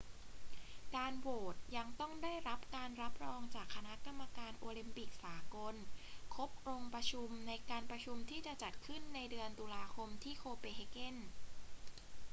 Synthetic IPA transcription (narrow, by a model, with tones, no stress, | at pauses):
kaː˧nwoː˨˩t̪̚ja˧ŋt̪ɔ˥˩ŋdaː˥˩jɾa˦˥p̚kaː˧nɾa˦˥p̚ɾɔː˧ŋt͡ɕaː˨˩kʰːa˧na˦˥ka˧mːa˧kaː˧nʔoː˧li˧mpi˨˩k̚saː˩˦ko˧nkʰo˦˥p̚ɾo˧ŋpɾa˧t͡ɕʰu˧mna˧jkaː˧npɾa˧t͡ɕʰu˧mt̪ʰiː˥˩t͡ɕa˨˩t͡ɕa˨˩t̪̚kʰɯ˥˩nːa˧jdɯ˧ənt̪uː˧laː˧kʰo˧mt̪ʰiː˥˩kʰoː˧peː˧ɦe˧ke˥˩n